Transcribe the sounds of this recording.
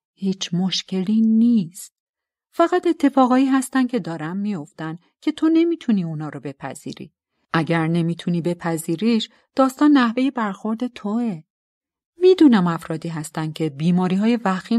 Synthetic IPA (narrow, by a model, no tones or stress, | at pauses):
hiːt͡ʃʰmo̞ʃcʰe̞liniːst̪̚ | fæɣæt̪e̞t̪ʰːe̞fɒːɣɒːiːɦæst̪ænd̪̚cʰe̞d̪ɒːɾæmːijo̞ft̪æn | cʲʰe̞t̪ʰo̞ne̞miːt̪ʰuniːunɒːɾobe̞pʰæ̰z̥ḭːɾḭː | ʔæɟæɾne̞miːt̪ʰuniːbe̞pʰæziːɾiːʃ | d̪̥ɒːst̪ɒːnːæhve̞je̞bæɾxo̞ɾd̪e̞t̪ʰoe | mid̪uːnæmæfɾɒːd̪iːɦæst̪æn̥̚cʰe̞biːmɒːɾiːɦɒːje̞væxiː